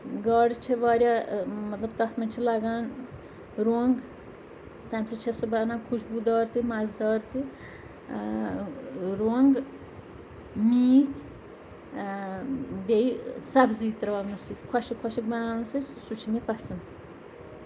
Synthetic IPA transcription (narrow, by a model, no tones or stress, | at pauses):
ɡaːɽt͡ʃʰeʋaːɾʲjaːmɐt̪lɐbt̪ɐt̪ʰmɐnʲt͡ʃʰilaɡaːn | ɾoŋɡ | t̪ɐmsit͡ʃʰesobɐːnãːkʰuʃbud̪aːɾt̪imɐzd̪ɑːɾt̪i | ɾoŋɡ | miːt̪ | bʲeisɐbziːt̪ːɾɐʋaːbnɐsit̪kʰɐʃikʰɐʃikmɐnaːnɐsissut͡ʃʰimepɐsɐnt̪